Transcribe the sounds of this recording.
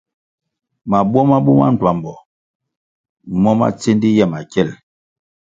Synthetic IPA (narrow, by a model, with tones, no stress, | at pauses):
ma˨bwɔ˦ma˦bu˦ma̰˦n̩˨twa˨mbɔ˨ | mɔ˦ma̰˦t͡se˦ndi˦jɛ˦˨ma˨kɛ˦˨l